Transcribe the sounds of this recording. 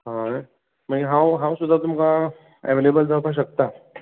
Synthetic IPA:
ɦã | maɦãwɦãw̃sʊd̪ʱat̪ʊmka | ḛʋelebəld̪apaʃ̬ɐk̚t̪aː

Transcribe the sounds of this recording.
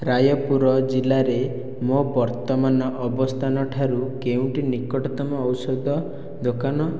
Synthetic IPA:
ɾajɔpuɾɔd͡ʒilaɾe | mobɔɾt̪ɔmanɔʔɔbɔst̪ʰanɔʈʰaɾukeũʈinikɔʈɔt̪ɔmɔːwsɔd̪ʱɔ | d̪okanɔ

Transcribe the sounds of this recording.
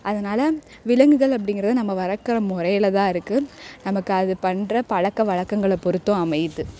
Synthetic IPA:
ʔɐðɐnaːlɐ | ʋɪlɐŋɡɯɣɐɭɐp̬ːɐɽɪŋɡɪɾɐðɯnɐmːɐʋɐɾɐkːɯrɐmʊrɐjɪlɐt̪ãːɪɾɯkːɯnɐmɐkːɯɐðɯpɐɳdrɐpɐɻɐkːɐʋɐɻɐkːɐŋɡɐɭɛpːɔɾɯt̪ːõɐmɐjt̪ːɯ

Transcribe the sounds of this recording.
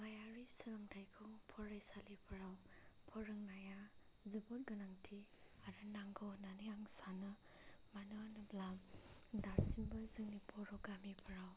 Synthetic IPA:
majaɾisiɾamtʰajkʰɯŋpʰɔɾajsalipʰaɾaw | pʰɔɾɯŋnaja | zibɔt̚ɡɯnaŋtʰi | aɾɯnaŋɡɔwnanijaŋsanɯ | manuanɯblamdasinbɐzɯŋnipʰɔɾɔwɡamipʰaɾaw

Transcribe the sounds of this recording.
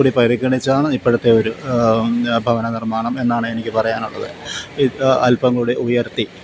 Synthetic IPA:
uɽipɐɾikːɐɳit͡ɕːaːɳɨipːɐɽut̪ːe̞o̞ɾu | bʱɐʋɐnɐnirmaːɳɐme̞nːaːɳɨe̞nikʲːɨpɐrɐjaːnuɭːɐðɨ̰iɐlpɐŋːɐuɽeʔujɐrt̪i

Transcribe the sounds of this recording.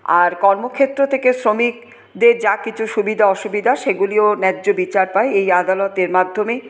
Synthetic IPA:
a̰ɾkɔɾmokʰet̪ːɾot̪ʰekesɾomik̚ | d̪eɾd͡ʑakit͡ɕʰuʃubid̪ʱaɔʃubid̪ʱaʃeɡulionɛdːobit͡ɕaɾpaeejad̪alɔt̪eɾmad̪ʱːome

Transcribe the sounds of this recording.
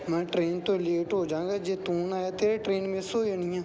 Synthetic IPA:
mɛ̃ːʈɾeːnt̪õleːʈɦoːd͡ʒãːŋɡaːd͡ʒeːt̪uːnaːjaːt̪eːɾeʈɾeːnmẽsoːənɪjãː

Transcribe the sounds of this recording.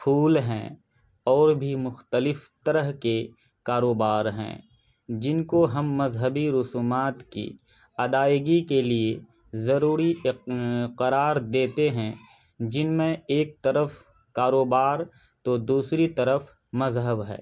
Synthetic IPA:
pʰuːlɦɛ̰̃ | ɔːɾbʱimʊxt̪əlɪft̪ɐɾəɦke | kaːɾoːbaːɾɦɛ̰̃ː | d͡ʒɪnkoɦɐmːɐzɦəbiɾʊsuːmaːt̪kḭ | ɐd̪aːɪɡikelie | zɐɾuːɾi | qəɾaːɾd̪eːt̪eɦɛ̃ | d͡ʒɪnmẽeːk̚t̪ɐɾəf | kaːɾoːbaːɾ | t̪od̪uːsɾit̪ɐɾəf | mɐzɦəbɦɛ̰ː

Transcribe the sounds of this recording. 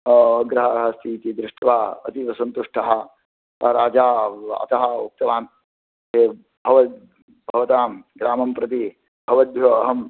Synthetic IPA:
ɡɾɐɦɐɾɐɦɐst̪ʰiːt̪id̪ɾɪʂʈʋaːɐ̰t̪iʋɐsɐnt̪uʂʈʰɐɦɐ̆ | ɾaːd͡ʒaːɐ̰t̪ɐɦɐuk̚t̪ɐʋaːn | eː | bʱɐʋɐ | bʱɐʋɐt̪aːmɡɾaːmɐmpɾɐt̪̬i | bʱɐʋɐd̪jɐːɦɐm

